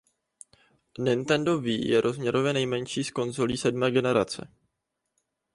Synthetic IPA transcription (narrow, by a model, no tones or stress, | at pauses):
nɪnt̪ɛndo̞viːjɛɾʔo̞zmɲɛɾovjɛnɛjmɛɲʃiːsko̞nzoliːsɛdmɛːɡɛnɛɾa̰t͡sɛ̰